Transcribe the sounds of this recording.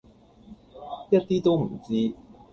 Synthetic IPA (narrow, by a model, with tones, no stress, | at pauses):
jɐ˥t̚t̪iː˥t̪o˥wm̩̰˨˩˦t͡siː˥